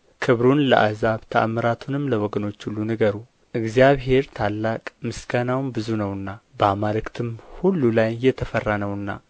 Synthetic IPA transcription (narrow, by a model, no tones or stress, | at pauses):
kʰɨβɾunləʔazaβt̪ʰəʔa̰məɾat̪ʰunɨmləwɔɡəno̞t͡ʃːulːunəɡəɾu | ʔɨɡzijaβɦe̞ɾt̪ʰalːakʼmɨsɡanawnbɨzunəwɨnːabəmalɨkt̪ʰɨmhulːulajːɛt̪ʰəfərːanəwɨnːa̰